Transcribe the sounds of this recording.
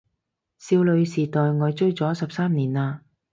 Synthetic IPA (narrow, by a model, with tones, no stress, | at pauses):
siː˧wlɵ˨˧ɥsiː˨t̪ɔː˨jŋɔː˨˧jt͡ʃɵ˥ɥt͡sɔː˨˥sɐ˨p̚saː˥mniː˨˩naː˧